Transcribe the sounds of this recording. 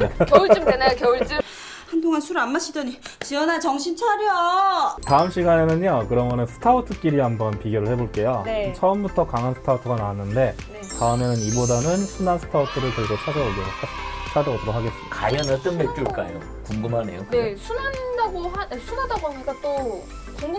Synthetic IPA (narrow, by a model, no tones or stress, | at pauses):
nekjʌɭimenaokjʌuɭt͡ɕ͈im | handʰoŋansʰuɾɯanmaɕʰidʌɲit͡ɕiʌnat͡ɕʌŋɕʰint͡ɕʰaɾjʌtaɯmɕ͈ʰiɡanenɯnokɯɾʌmjʌnensʰɯ̥tʰautʰɯk͈iɾiɦambʌnpiɡjoɾɯɭheboɭk͈e̞jont͡ɕʰʌɯmbutʰʌkaŋɦansʰɯ̥tʰautʰɯɡanawanːɯnde̞ | taɯmenɯnibodanɯnsʰunansʰɯ̥tʰautʰɯɾɯɭkʌɭɡot͡ɕʰad͡ʑaoɡjʌɡoat͡ɕʰadʌɡotɯɾokʰːaɡe̞s͈ɯmid̥aajʌnɯɭt͈ɯnmet͈ɯɭk͈ajo | kuŋɡumɦane̞̰jokesʰunandaɡoɦaesʰunadaɡoɦaɲik͈at͈o | koŋ